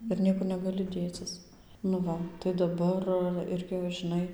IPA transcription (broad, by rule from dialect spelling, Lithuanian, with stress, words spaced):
ɪr ˈnʲiɛkʊr nʲɛɡɐˈlʲɪ dʲeːˈt͡sʲɪs nʊ ˈʋɐ tɐɪ dɐˈbɐr ˈɪrʲɡʲɪ ʋɐ ʒʲɪˈnɐɪ